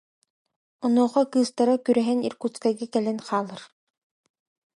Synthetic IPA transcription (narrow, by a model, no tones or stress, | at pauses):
ɔnuːχɔkɯːst̪aɾakyɾɛɦɛnḭɾkut̪st͡skajɡakɛlɛnχaːlˠɯɾ